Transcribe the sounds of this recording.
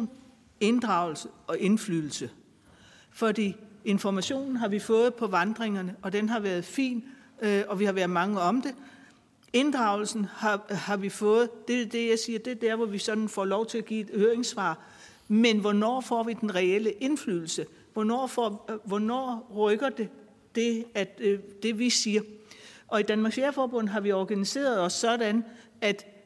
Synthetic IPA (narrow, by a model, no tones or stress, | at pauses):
n | e̝nd̥ʁɑ̈ʊl̩səɒ̽ʔe̝nflyðl̩sə | fɒ̽d̥ḭːe̝nfɒmæɕo̝̰ːnn̩ɦɑ̈ʋifɔ̽ːð̞̩ˠpʰɒ̽ʋɑ̈nd̥ʁeŋɐnəʔɒ̽d̥enɦɑ̈ʋæːɐð̞̩ˠfḭːn | ɒ̽ʋihɑ̈ʋæɐðˠmɑ̈ŋəɒ̽md̥e̝ | e̝nd̥ʁɑ̈ʊl̩sn̩hɑ̈hɑ̈ʋifɔ̽ːð̞̩ˠd̥e̝d̥e̝jɑ̈ɪsiːɐd̥e̝d̥æɐʋɒʋisɒ̽d̥n̩fɒ̰ːlɒʊt͡sʰe̝læɡ̥ḭːe̝d̥høːɐeŋsʋɑ̰̈ː | menʋɒnɒ̰ːfɒ̰ːʋid̥enʁɛel̰əʔe̝nfly̰ːl̩sə | ʋɒnɒ̰ːfɒʋɒnɒ̰ːʁœɡ̥ɐd̥e̝ | d̥e̝æd̥e̝ʋisiːɐʔɒ̽id̥ænmɑ̈ɡ̥seɐfɒːb̥ɔ̽n̰ð̩ˠɦɑ̈ʋiɒɡ̥ænise̝̰ːɐð̞̩ˠɒ̽sːɒ̽ɾ̥æn | æd̥